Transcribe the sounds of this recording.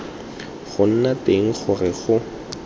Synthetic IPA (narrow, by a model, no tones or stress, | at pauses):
χʊn̩nateŋ̩χʊrɪχʊ